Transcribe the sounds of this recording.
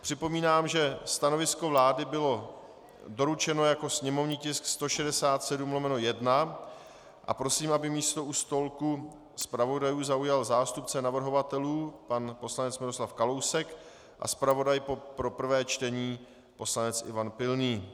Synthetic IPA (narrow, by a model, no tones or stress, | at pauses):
pr̝̥ɪpo̞miːnaːmʒɛst̪ano̞vɪsko̞vlaːdɪbɪlo̞ | do̞ɾut͡ʃɛno̞jako̞sɲɛmo̞vɲiːcɪskst̪o̞ʃɛdɛsaːt̪sɛdumlo̞mɛnojɛdna | ʔa̰pɾo̞siːmabɪmiːst̪o̞ust̪o̞lku | spɾavo̞dajuːzaujalzaːst̪upt͡sɛnavr̩ɦo̞vat̪ɛluːpanpo̞slanɛt͡smɪɾo̞slafkalo̞wsɛk | ʔa̰spɾavo̞dajpopɾo̞pr̩vɛːt͡ʃt̪ɛɲiː | po̞slanɛt͡sʔɪ̰vanpɪlniː